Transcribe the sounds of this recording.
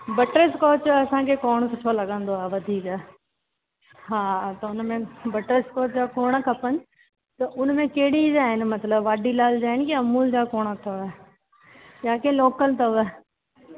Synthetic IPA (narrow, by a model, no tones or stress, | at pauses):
bɐʈɾeskɔːt͡ʃjoɐsãkʰeːkoːɽ̃sʊʈʰolɐɠə̃nd̪oaːɦʋɐd̪ʱiːkaː | ɦaːt̪ɐʊnmẽbɐʈɾəskoːt͡ʃd͡ʑaːkoːɽ̃kʰɐpənɪ | t̪ɐʔʊnmẽkeɦɪɽid͡ʒaːɦɪnɪ̆mɐt̪ləbʋaːɖʱilaːld͡ʑaːɦɪnɪkiɐmuːld͡ʑakoːɽ̃t̪ʰɐʋɛː | jaːkeːloːkəlt̪ɐɛ